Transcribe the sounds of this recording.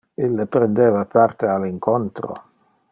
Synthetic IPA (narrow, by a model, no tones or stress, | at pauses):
ilːepɾend̪eːvapʰart̪ealiŋkont̪ɾo̰